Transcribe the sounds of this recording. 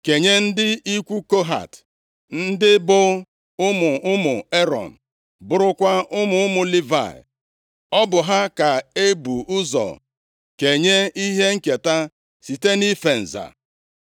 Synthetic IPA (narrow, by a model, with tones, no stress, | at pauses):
ke˨ɲe˦n̩˦dɪ˦i˦kʷu˦ko˦ɦa̰˨t | n̩˦dɪ˦bʊ˦ | ʊ˦mʊ˨ʊ˦mʊ˨e˦ɾɔ̰˨n̩˨ | bʊ˨ɾʊ˦kʷa˦ʔʊ˦mʊ˨˦ʊ˦mʊ˨li˦va̰˨ | ɔ˦bʊ˨ɦa˦ka˨e˦bu˨ʊ˦zɔ̰˨ | ke˨ɲe˦i˦ɦe˦ŋ̩˦ke˨ta˦ | si˨te˦ni˦fe˨n̩˨za̰˨